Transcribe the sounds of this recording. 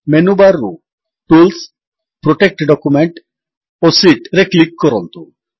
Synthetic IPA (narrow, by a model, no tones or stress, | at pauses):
menubaɾːṵ | ʈuls | pɾɔʈek̚ʈɖɔkumeɳʈ | osiʈɾeklikːɔɾɔnt̪u